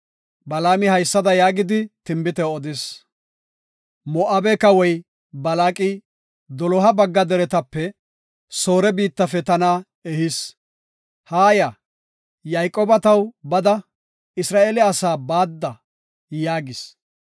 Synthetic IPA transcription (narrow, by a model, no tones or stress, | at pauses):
bɐlaːmɪhɐjsːɐd̪ɐjaːɡɪd̪ɪt̪ɪmbɪt̪ɛɔd̪ɪs | mɔʔaːbɛkɐwɔj | bɐlaːkʼɪ | d̪ɔlɔɦɐbɐɡːɐd̪ɛɾɛt̪ɐpːɛ | so̞ːɾɛbiːt̪ːɐfɛt̪ɐna | ɛhɪs | haːja | jajkʼːɔːbɐt̪ɐwbɐd̪ɐ | ɪsɾaːʔeːlɛɐsaːbaːd̪ːɐ | jaːɡɪs